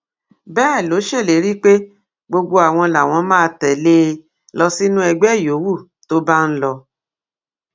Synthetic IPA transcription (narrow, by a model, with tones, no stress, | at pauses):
bɛː˦˨lo˨˦ʃe˦˨le˨˦ɾi˦k͡pe˦ | ɡ͡bo˧ɡ͡bo˧a˨w̃ɔ̃˧la˨w̃ɔ̃˧˦mãː˦˧tɛ˨le˦˧ | lɔ˧si˦nũ˦ɛ˧ɡ͡bɛ˦˨jo˨˦wu˦˨ | to˦ba˦n̩˦lɔ˧